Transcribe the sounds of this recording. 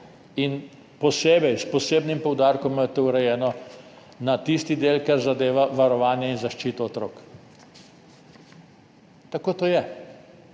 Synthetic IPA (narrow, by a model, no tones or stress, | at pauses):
in | pɔseːbɛjspɔseːbnimpɔwd̪aːɾkɔmt̪owɾɛjɛːnɔ | nat̪ist̪id̪eːlkɛɾzad̪eːʋaʋaɾɔʋaːnjɛinzaʃt͡ʃiːt̪ɔːt̪ɾoːk | t̪akoːt̪oːjɛ